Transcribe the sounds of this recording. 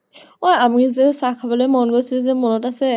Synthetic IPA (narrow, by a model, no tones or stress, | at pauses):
ojamizɛsakʰabɔlɔjmɔnɡojsilɛzɛmɔnɔtasɛ